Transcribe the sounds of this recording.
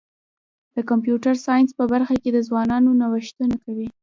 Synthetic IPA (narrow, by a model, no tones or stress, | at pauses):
d̪̥əkampjuʈaɾsɑjɪnspəbaɾxaked̪əzwɑnɑnonawəʃt̪ənakawi